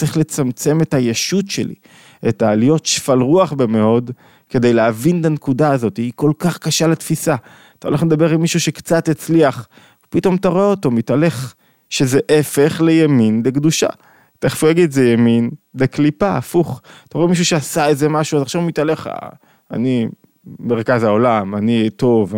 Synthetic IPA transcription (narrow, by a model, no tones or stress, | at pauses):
t͡seχle̞t͡samt͡se̞me̞thajeʃut̪ʃḛlḭ | etaːlijo̞tʃfalʁuaχbemeo̞d | ke̞d̪e̞jleavintankudaːzo̞t̪iiko̞lkaχkaʃalat̪fisa | t̪aoleχled̪abe̞ʁilmiʃuʃe̞kt͡sat̪it͡sliaχ | pito̞mtaʁoeoto̞mitale̞χ | ʃezeʔefe̞χlejaminlekd̪uʃa̰ | taeχfujaɡidzejaminleklipaːfuχt̪aʁemiʃ̬uʃeasaezemaʃuazaχʃavmit̪ale̞χa̰ | a̰ni | meʁkazhao̞lamanito̞v